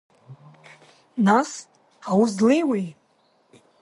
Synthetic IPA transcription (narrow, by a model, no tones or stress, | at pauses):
nas | awuzlejwej